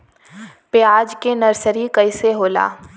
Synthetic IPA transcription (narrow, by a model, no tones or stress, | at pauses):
pɪjaːd͡ʒkenɐɾsəɾikɐɪseɦoːla̰ː